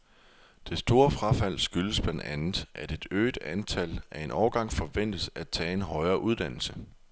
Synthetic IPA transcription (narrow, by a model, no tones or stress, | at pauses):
d̥e̝sd̥o̝ːɐfʁɑ̈fæl̰sɡ̥yləsb̥læn̰d̥ænð̩ˠʔæɐd̥e̝d̥ø̰ːd̥ænt͡sʰælæɐe̝nʔɒʊɐɡ̥ɑ̈ŋ̰fɒ̽ʋen̰d̥əsæd̥̚t͡sʰɛ̰ːe̝nɦɒ̽ɪɐːʔuð̞ˠd̥æn̰l̩sə